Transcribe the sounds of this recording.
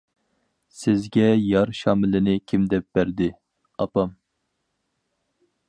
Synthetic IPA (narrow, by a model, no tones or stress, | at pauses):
sɪzɡʲɛjɑɾʃɑːmɪlɪnɪkʲʰimd̪ɛp̚b̥æɾd̪ɪ | ɑpɑm